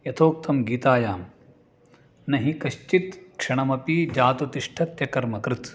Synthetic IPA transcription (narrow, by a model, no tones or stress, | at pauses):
jɐt̪ʰoːk̚t̪ɐmɡiːt̪aːjaːm | nɐɦikɐʃt͡ʃit̪kʂɐɳɐmɐpid͡ʒaːt̪ut̪iʂʈʰɐt̪jɐkɐɾmɐkɾɪt̪